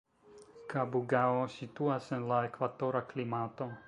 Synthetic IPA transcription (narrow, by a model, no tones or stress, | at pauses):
kabuɡaosituasenlaekvadoɾaklimat̪o̞